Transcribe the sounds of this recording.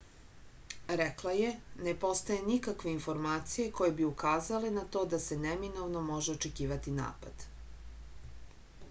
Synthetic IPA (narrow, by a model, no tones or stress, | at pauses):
ɾeklˠaje̞nepo̞st̪aje̞nikakʋe̞info̞ɾmaːt̪sijeko̞jebiukaːzalenat̪o̞ːd̪ase̞neminovnomo̞ʒeot͡ʃekiːʋat̪ina̰ːpa̰d̪̥